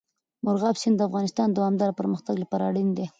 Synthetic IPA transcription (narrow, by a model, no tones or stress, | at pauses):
mʊɾɣɑbsɪnd̪əafɣɑnɪst̪ɑnd̪awɑmd̪ɑɾapəɾməxt̪aɡlapaɾɑ̰ɽind̪e